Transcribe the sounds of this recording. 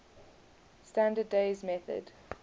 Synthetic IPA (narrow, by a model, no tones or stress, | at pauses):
stãndədːeɪzmɛθə̰d̥